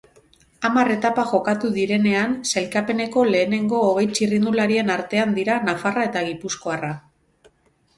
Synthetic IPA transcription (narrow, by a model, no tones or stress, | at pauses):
amare̞t̪apaʝo̞kat̪uðiɾe̞ne̞anse̞lkape̞ne̞ko̞le̞ːne̞ŋɡo̞ːɣ̞e̞jt͡ʃirind̪ulaɾie̞naɾt̪e̞and̪iɾanafarae̞t̪aɣ̞ipusko̞ara